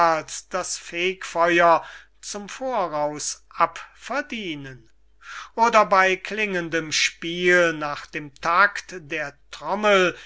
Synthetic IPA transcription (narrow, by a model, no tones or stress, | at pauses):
lsd̥asfeːkfɔʏɐ | t͡sʊmfoːɐʁaʊsʔapfɛɐdiːnən | ʔoːdɐbaɪkʰlɪŋəndəmʃpiːlnaːχd̥eːmtʰaktdeːɐtʁ̥ɔməl